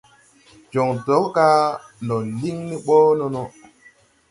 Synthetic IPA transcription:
d͡ʒo˨ŋdo˨˦kka˦nɔ˨li˦ŋni˦ɓɔː˦no˦no˦

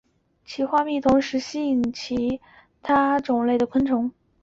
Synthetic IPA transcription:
t͡ɕʰi˧˥xwa˥mi˥˩t̪ʰʊ˧˥ŋʂɻ̩˧˥ɕi˥˨˩ŋ˩ŋt͡ɕʰi˧˥ | t̪ʰa˥ʈ͡ʂʊ˨˩ŋle˥˩ɪd̪ə˩kʰwə˥nʈ͡ʂʰʊ˧˥ŋ

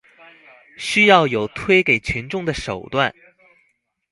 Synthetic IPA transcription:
ɕy˥jɑ˥˩ʊjo˨˩ʊt̪ʰwe˥ɪke˨˩ɪt͡ɕʰi˧˥nʈ͡ʂʊ˥˩ŋd̪ə˩ʂo˨˩ʊt̪wa˥˩n

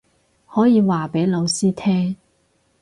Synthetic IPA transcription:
hɔː˨˥jiː˨˧waː˨˩pe˨˥jlo˨˧wsiː˥t̪ʰɛː˥ŋ

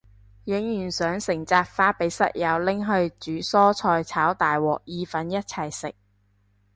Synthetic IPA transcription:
jɪ˨˥ŋjyː˨˩nsœː˨˥ŋsɪ˨˩ŋt͡saː˧k̚faː˧pe˨˥jsɐ̰˥t̚jɐ˨˧wlɪ˥ŋɦɵ˧ɥt͡ʃyː˨˥sɔː˥t͡sʰɔː˧jt͡sʰaː˨˥wt̪aː˨jwɔː˨k̚jiː˧fɐ˨˥njɐ˥t̚t͡sʰɐ˨˩jsɪ̰˨k̚

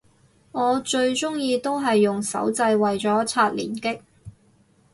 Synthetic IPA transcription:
ŋɔː˨˧t͡ʃɵ˧ɥt͡ʃʊ˥ŋjiː˧t̪o˥wɦɐ˨jːʊ˨ŋsɐ̰˨˥wt͡sɐ˧jwɐ˨jt͡sɔː˨˥t͡sʰaː˧t̚lḭː˨˩nkɪ˥k̚

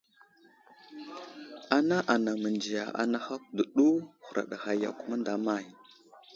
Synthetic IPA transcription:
a˨na˦ʔa˨na˨mə˨nd͡ʒi˨ja̰˨ʔa̰˨na˦xa˦kdə˨ɗu˦hu˨ɾa̰˨ɗa˨xa˨ja̰˦ku˦ma˦nda˨ma˨j

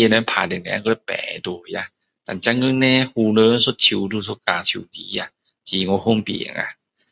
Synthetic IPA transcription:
na˧˦pʰaː˨˩de˨˩nɛ̰˧kɔ˧˩ɛ˧˦pɛ̰ː˨˦du˨˧˩ja˧ | t̪a̰˨nt͡ɕa˧˥ŋɯ˧˥ŋnɛː˧˥huː˧˩nɤː˧˦˨nso˧˦t̪̚ʰi˧˦wduː˧s̬o˧˦kaː˨˩t̪ʰi˧˨˦wkiː˨˦a˧ | tʰiː˨˦ŋɔ˧˦ho˧˥˨mpḭ˨ŋa̰˧

